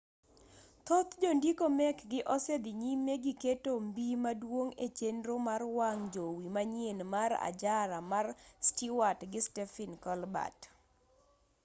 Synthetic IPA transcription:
t̪ot̪d͡ʒondikomɛkɡɪʔɔsed̪ɪɲimeɡiketombimadwoŋet͡ʃendɾomarwaŋd͡ʒowimaɲjenmaɾa̰d͡ʒaɾamarstiwatɡɪstɛfɪnkɔlba̰t

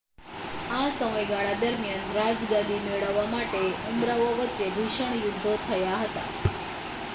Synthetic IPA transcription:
asəməjɡaɭad̪əɾmijanɾad͡ʒɡad̪ʱimeɭəʋːamaʈeumɾaʋoʋətːʃebʱiʃəɳ̃jʊd̪ʱːot̪ʰəjaɦət̪a̰

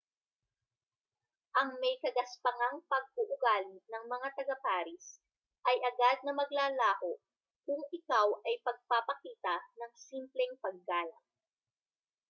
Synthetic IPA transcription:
ʔɐŋmɛjkɐɡɐspɐŋaŋpɐɡ̚ʔʊʔʊɡaːlɪnɐŋmɐŋat̪ɐɡɐpaːɾɪs | ʔɐjʔɐɡad̪̚nɐmɐɡlaːlaːhoʔ | kʊŋɪkawʔɐjpɐɡ̚papɐkiːt̪ɐnɐŋsimplɛŋpɐɡ̚ːaːlɐ̰ŋ̚

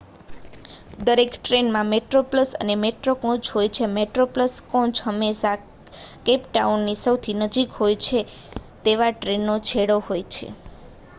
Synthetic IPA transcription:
d̪əɾekʈɾenmãmeʈɾopləsə̰nemeʈɾokɔ̃t͡ʃɦojt͡ʃʰemeʈɾopləskɔ̃t͡ʃhəmeʃa | kepʈaunːisəwt̪ʰinəd͡ʒikɦojt͡ʃʰe | t̪eʋaʈɾenːot͡ʃʰeɽohojt͡ʃʰḛ

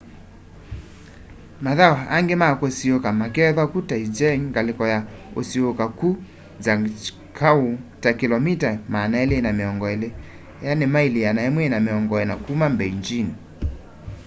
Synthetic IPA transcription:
maðawaaŋɡemakosiokamakɛðakutaid͡ʒɛŋŋɡalɪkɔjao̰siokaku | zaŋ | kʰautakilɔmitamaːnaɛleːnamiɔŋɡɔɛle | janimailijanaɛmwɛːnamiɔŋɡɔɛnakumambɛiɲd͡ʒini

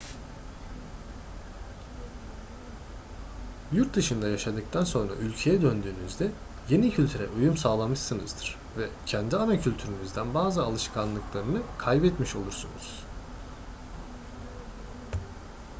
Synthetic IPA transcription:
juɾt̪̚d̪ɯʃɯnd̪ajaʃad̪ɯk̚t̪ʰanso̞nɾa̰ʔylʲcʰe̞jɛd̪ønd̪yːnyzd̪ɛ | je̞nicʰylʲt̪ʰyɾɛ̰ʔujumsaːlˠamɯʃsɯnɯzd̪ɯɾ̥ | vɛcʰænd̪ianacʰylʲt̪ʰyɾynyzd̪ænbaːzɯalˠɯʃkʰanlˠɯklˠaɾɯnɯkʰajbɛt̪miʃo̞lˠuɾsunṵz̥

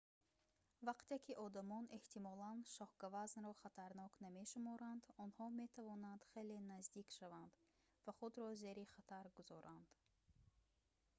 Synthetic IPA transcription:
vaqt̪ekʰiʔɔd̪amɔne̞ht̪ʰimɔlanʃɔhɡavaznɾɔχat̪ʰaɾnɔkname̞ʃumɔɾand̪ɔnhɔme̞t̪ʰavɔnand̪̥χe̞le̞nazd̪ikʃavand̪ | vaχud̪ɾɔze̞ɾiχat̪ʰaɾɡuzɔɾʔand̪̥

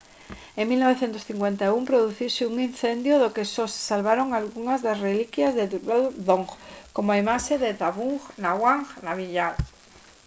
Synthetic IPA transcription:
eŋmilnoβ̞eθjent̪oθiŋkwent̪aumpɾoðuθiseuŋin̟θend̪joðokesossalβaɾoŋalɣuŋazðasrelikjazðeβalðoŋxkomoaimaʃeðed̪aβuŋxnaɣwaŋxnaβiʎal

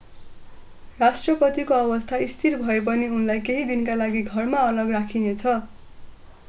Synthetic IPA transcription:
rasʈrʌpʌt̪ikoʌbʌst̪ʰaist̪ʰirbʱʌep̬ʌniunlajkeɦid̪inkalaɡiɡʱʌrmaʌlʌɡrakʰinet͡sʰʌ

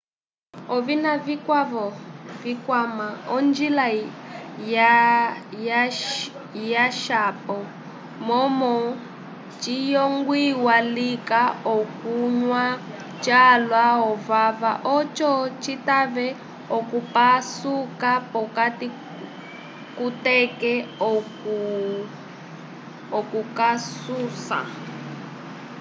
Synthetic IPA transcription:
ɔvinavikwavɔvikwamaɔnd͡ʒila | ja | j | jaʃapɔ | mɔmɔ | t͡ʃijɔŋɡwiwalikaɔkuɲwa | t͡ʃʼalwaɦɔvavaʔɔt͡ʃɔt͡ʃʰitaβɛ | ɔkupasukapɔkati | kutɛkɛɔ | ɔkukasuːsa̰

